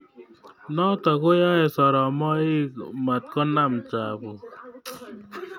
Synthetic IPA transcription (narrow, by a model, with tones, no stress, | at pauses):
nɔ˦tɔ˨ko˦ja˦ɛ˨sɔ˨ɾɔ˨mɔ˦i˦kma˨t̪̚kɔ˦na˦mt͡ʃa˨bu˨